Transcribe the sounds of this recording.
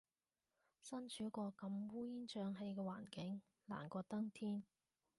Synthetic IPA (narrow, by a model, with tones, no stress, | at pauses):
sɐ˥nt͡ʃʰyː˨˥kɔː˧kɐ˧mwuː˥jiː˥nt͡ʃœː˧ŋɦe˧jkɛː˧wa̰ː˨˩nkɪ˨˥ŋ | la̰ː˨˩nkɔː˧t̪ɐ˥ŋt̪ʰiː˥n